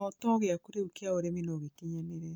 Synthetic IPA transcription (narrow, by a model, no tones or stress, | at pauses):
ɔtɔɣeakuɾeokeaoɾeminoɣekeɲaneɾɛ